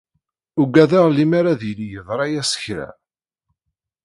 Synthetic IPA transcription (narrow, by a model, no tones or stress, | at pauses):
ʊɡæðaʁlimaɾaðilijəðˤɾˤɑjæsə̥çɾæ̰